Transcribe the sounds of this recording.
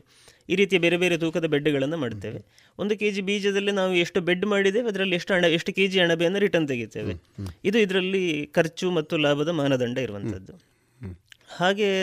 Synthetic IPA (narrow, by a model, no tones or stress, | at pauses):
iːɾiːt̪̬ijɐbe̞ːɾe̞beːɾe̞d̪uːkɐd̪ɐbeɖːuɡɐɭɐnːɐmaːɖt̪e̞ːʋe̞ | ond̪uke̞ːd͡ʒibiːd͡ʒɐd̪ɐlːinaːʋueʂʈube̞ɖːmaːɽid̪e̞ːʋeɐd̪ɐɾɐlːieʂʈuɐɳɐeʂʈuke̞ːd͡ʒiɐɳɐbɛjɐnːɐɾiʈɐnt̪̬eɡit̪ːe̞ːʋḛid̪uid̪ɐɾɐlːikɐɾt͡ʃumɐt̪ːulaːbʱɐd̪ɐmaːnɐd̪ɐɳɖɐiɾuʋɐnt̪ʰɐ̰d̪ːu | haːɡe̞